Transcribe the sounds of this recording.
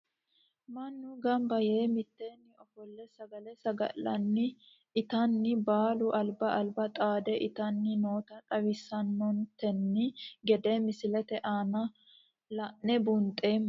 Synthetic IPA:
mɐnːʊɡɐmbɐje̞ːmɪt̪ːeːnːɪɔfɔlːɛsɐɡɐlɛsɐɡɐ̰lːɐnːɪ | ʔɪt̪ɐnːɪbaːlʊʔɐlbɐʔɐlbɐt̪ʼaːd̪ɛʔɪt̪ɐnːɪno̞ːt̪ɐt̪ʼɐwɪsːɐnːɔnt̪ɛnːɪɡɛd̪eːmɪsɪlɛt̪ɛʔaːnɐ | lɐʔnɛbʊnt̪ʼːeːmː

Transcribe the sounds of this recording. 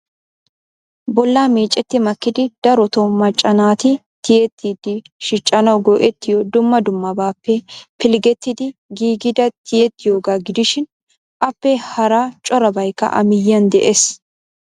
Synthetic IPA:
bɔlːaːmeːt͡ʃʼːɛt̪ːɪmɐkːɪd̪ɪd̪̥ɐɾɔt̪ɔmɐt͡ʃʼːɐnaːt̪ɪ | t̪ɪjɛt̪ːɪd̪ɪ | ʃɪt͡ʃʼːɐnɐwɡɔʔɛt̪ːɪjɔd̪ʊmːɐd̪ʊmːɐbaːpːɛpɪlɡɛt̪ːɪd̪ɪɡiːɡɪd̪ɐt̪ʰɪjɛt̪ːɪjoːɡaːɡɪd̪ɪʃɪn | ʔɐpːɛhɐɾaːt͡ʃʼɔɾɐbɐjkːɐ̰ʔɐ̰mɪjːɐnd̪ɛʔeːs

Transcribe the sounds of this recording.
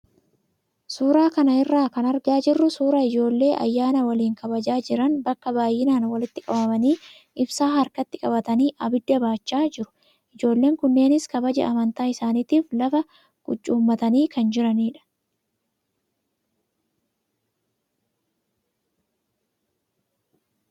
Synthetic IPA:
suːɾaːkɐnɐɪrːaːkɐnɐɾɡaːd͡ʒɪrːʊsuːɾaːɪd͡ʒo̞ːlːe̞ːʔɐ̰jːaːnɐwɐliːŋkɐbɐd͡ʒaːd͡ʒɪɾɐnbɐkːɐbaːjːɪnaːnwɐlɪt̪ːɪkʼɐbɐmɐniː | ʔɪbsaːɦɐɾkɐt̪ːɪkʼɐbɐt̪ɐniːʔɐbɪd̪ːɐbaːt͡ʃːaːd͡ʒɪɾʊ̥ | ʔɪd͡ʒo̞ːlːe̞ːŋkʊnːe̞ːnɪskɐbɐd͡ʒɛ̰ɐmɐnt̪aːɪsaːnit̪iːflɐfɐ | ɡ̥ʊt͡ʃːuːmːɐt̪ɐniːkɐnd͡ʒɪɾɐniːᶑɐ̥

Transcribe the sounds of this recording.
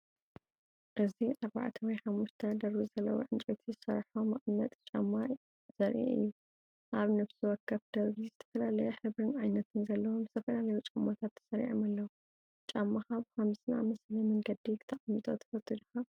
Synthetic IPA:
ʔɨziʔaɾba̰ʕt̪ʰɐwɔjħamːuʃt̪ʰɐd̪ɐɾβizɐlːɐ̰wo̰ʕɨnt͡ʃʼot̪ʰizɨsɐɾħomɐχʼnɐt̪ʼt͡ʃʼamːa | z̥ɐɾʔḭʔɨ̰jːu | ʔaβnɐfsiwɔkʰːɐβd̪̥ɐɾβizɨt̪ʰɐ̥fɐlalɐjɛħɨβɾɨnʕajnɐt̪ʰɨnzɐlːɐwomzɨ̥t̪ʰɐfɐlalɐjut͡ʃʼamːat̪ʰat̪ʰːɐ̥sɐɾḭʕomalːɐwu | t͡ʃʼamːaxaβhamsna̰mɐslɐmɐŋɡɐd̪ikʰɨ̥t̪ʰɐχʼɐmːit̪ʼot̪ʰɐ̥fɐt̪ʰːɨd̪ɨxa

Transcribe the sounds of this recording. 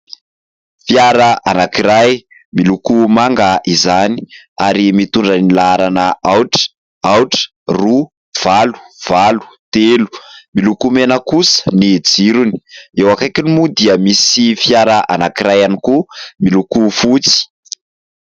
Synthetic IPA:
fjaɾəʔanakiɾaj | milukumaŋɡaʔizani̥ | aɾimit̪uɳɖ͡ʐənilaaɾanəawʈ͡ʂə̥ | awʈ͡ʂə̥ | ru | v̥alu̥v̥alu̥t̪elu̥milukumenəkusə̥nid͡ziɾuni̥ewakajkinimud̪iəmisifjaɾaʔa̰nakiɾajanikumilukufut͡si̥

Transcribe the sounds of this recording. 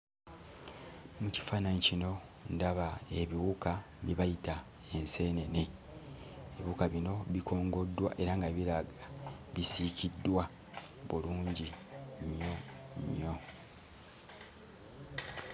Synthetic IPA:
muci̥fanaɲicino̞ | ndaβaeβiwuka | βiβajita | e̞nse̞ːne̞ne | eβiukaβino̞βiko̞ːŋɡo̞dːwa̰ʔe̞ɾaŋɡaβiɾaɡaβisicʰidːwa | βuluːɲɟi | mjo̞ | mjo̞

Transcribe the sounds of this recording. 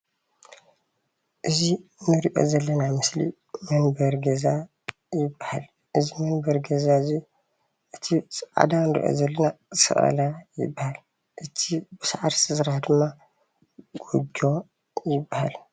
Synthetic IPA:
ʔɨzinɨɾiʔo̞̰zɐlːɐnamɨslḭ | mɐnbɐɾɡɐza | jɪbːaha̰l | ʔɨzimɐnbɐɾɡɐzaɨzi | ʔɨt̪ʰisʔa̰d̪anɾḭʔo̰zɐlːɐnazsɐ̰ʔʼɐ̰lajɪ̰bːahal | ʔɨt̪ʰibɨsaʕaɾstʰɨzɾahd̪ɨmːa | ɡ̥udo̞ | jɪbːaha̰l

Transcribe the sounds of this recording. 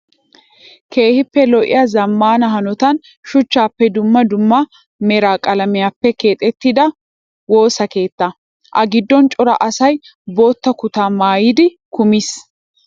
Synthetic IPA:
kʰe̞ːhɪpːɛlɔʔɪ̰jazɐmːaːnɐɦɐnɔt̪ɐn | ʃʊt͡ʃːaːpːɛd̪ʊmːɐd̪ʊmːɐ | mɛɾaːkʼɐlɐmɪjaːpːɛke̞ːt̪ʼːɛt̪ːɪd̪ɐ | wo̞ːsɐke̞ːt̪ːɐ | ʔɐɡɪd̪ːɔnt͡ʃʼɔɾɐ̰ʔɐsɐj | bo̞ːt̪ːɐkʊt̪aːmaːjɪd̪ɪ | kʊmɪs

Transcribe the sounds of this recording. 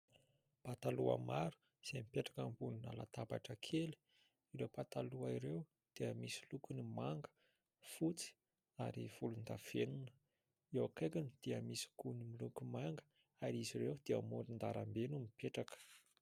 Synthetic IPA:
pat̪alua̰maɾu̥ | z̥emipeʈ͡ʂḁkambunina̰la̰t̪aba̰ʈ͡ʂəkʰeli̥ | iɾewpat̪aluaiɾew | d̪̥eəmisi̥lukunimaŋɡə̥ | fut͡si̥ | aɾiv̥ulund̪av̥enunə̥ | iwakajkanid̪̥eəmisi̥kunimilukumaŋɡə̥ | aɾiziɾewd̪̥eəmuɾind̪aɾambenumipʰeʈ͡ʂakə̥

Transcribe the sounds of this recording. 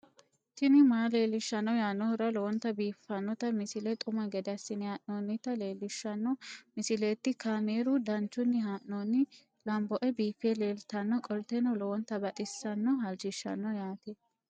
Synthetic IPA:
t̪ɪnɪmaːle̞ːlːɪʃːɐnːɔjaːnːɔhʊɾɐlɔwɔnt̪ːɐbiːfːɐnːɔt̪ɐmɪsɪlɛt̪ʼʊmɐɡɛd̪ɐsːɪnɪhaːʔnonːɪt̪ɐle̞ːlːɪʃːɐnːɔmɪsɪleːt̪ːɪkaːmeːɾʊd̪ɐnt͡ʃːʊnːɪɦaːʔnoːnːɪ | lɐmbɔʔɛbiːfːele̞ːlt̪ɐnːɔkʼɔlt̪enɔlɔwɔnt̪ːɐbɐt̪ʼɪsːɐnːɔɦɐld͡ʒɪʃːɐ̰nːɔjaːt̪ɛ

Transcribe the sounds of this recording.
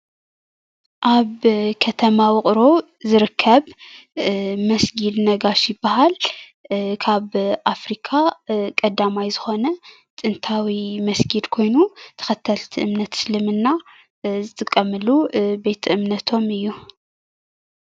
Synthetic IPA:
ʔaβkʰɐt̪ʰɐmawɨχʼɾo̞ | zɨɾɨkʰːɐβ | mɐsɡid̪nɐɡaʃjɪbːahal | kʰaβʔafɾikʰakʼɐd̪amajzɨxo̞nɐ | t̪ʼɨnt̪ʰawimɐsɡid̪kʰo̞jnut̪ʰɐ̥xɐt̪ʰːɐlt̪ʰiʔɨmnɐt̪slɨmɨnːa | zɨt̪ʼɨkʼːɐmɨlube̞t̪ʰʔɨmnɐt̪ʰo̞mɨjːu

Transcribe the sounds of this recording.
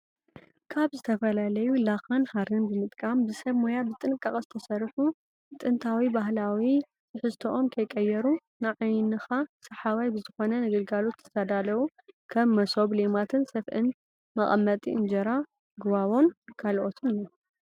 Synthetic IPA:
kʰaβzɨt̪ʰɐfɐlalɐjulaxanhaɾɨnbɨmɨt̪ʼkʼambɨsɐβmojabɨt̪ʼɨnɨkʼːaχʼzɨt̪ʰɐsɐrħu | t̪ʼɨnt̪ʰawibaɦlawi | sɨħɨst̪ʰoʔomkʰɐjkʼɐjːɛɾu | nɨʕajnɨxasɐħawajbɨzɨxo̞nɐnɨɡɐlɡalo̞t̪ʰːɐ̥sad̪alɐwu | kʰɐmːɐsoβlemat̪ʰɨnsɐfʔɨn | mɐχʼɐmːɐt̪ʼiʔɨnd͡ʒɐɾa | ɡɨβaβo̞nkʰalʔot̪ʰɨno

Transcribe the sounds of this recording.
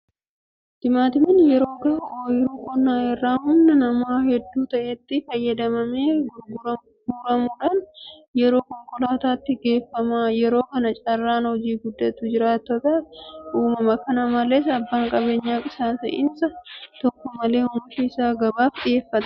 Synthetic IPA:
d̪̥ɪmaːt̪ɪmɐnjɛɾo̞ːɡɐoːjɪɾuːkʼɔnːaːɛrːaːhʊmnɐnɐmaːhɛd̪ːuːt̪ɐʔeːt̪ːɪfɐjːɐd̪ɐmɐmeː | ɡuːɾɐmuːᶑaːnjɛɾo̞ːkɔŋkʼɔlaːt̪aːt̪ːɪɡe̞ːfːɐmaːjɛɾo̞ːkɐnɐt͡ʃʼɐrːaːnhɔd͡ʒiːɡʊd̪ːɐt̪ːuːd͡ʒɪɾaːt̪ːɔt̪ɐʔuːmɐmɐkɐnɐmɐleːs̬ɐbːaːŋkʼɐbe̞ːɲːaːkʼɪsaːt̪ɐ̰ʔɪ̰nsɐt̪ɔkːɔmɐle̞ːhʊmʊʃiɪsaːɡɐbaːfɗɪje̞ːfːɐt̪ɐ̥

